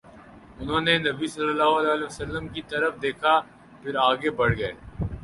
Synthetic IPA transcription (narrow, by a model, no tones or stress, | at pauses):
ʊnɦõːnenɐbisɐlːəlːaːɦoɐlɛːɐlɛːʋɐsɐlːəmkit̪ɐɾəfd̪eːkʰa | pʰɪɾaːɡebɐɽ̤ɡɐḛː